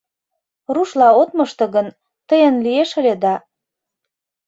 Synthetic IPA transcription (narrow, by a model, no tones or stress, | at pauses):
ruʃlɑot̪mɤ̆ʃt̪ɤ̆ɣən | t̪əjənlieʃə̆lʲed̪ɑ